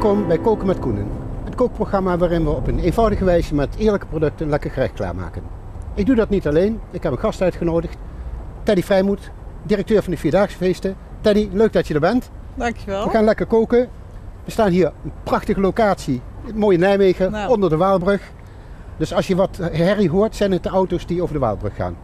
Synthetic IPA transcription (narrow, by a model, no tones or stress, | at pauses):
kɔmbɛjkowkəmɛtkunə̰nətkowk̚proχrɑmaːʋaːrɪnʋəɔpənejnvɑwdəχəʋɛjzəmɛtɪːɹləkəprodɵk̚tənlɛkəɹχərɛ̰xkla̰ːɹma̰ːkən | ɪɡ̚dudɑtnitɑlejnɪkɦɛpənχɑstœɥtχənowdəxttɛdifrɛjmut | dirək̚tøːɹvɑndəfiːɹdaːχsə̥fejstətɛniløɥk̚dɑtjədəːɹbɛnt | ŋʋəxaːnlɛkəɹkowkə | ʋəstaːnɦiːɹənprɑχtəχəlowkaːtsimoːjənɛjmejɣəɔndəɹdəʋaːlˠbrɵχ | dɵsɑlsʃjəʋɑtɦɛriɦʊːɹtsɛjnət̚dəɔwtosdiowvəɹdəʋa̰ːlˠbrɵxːa̰ːn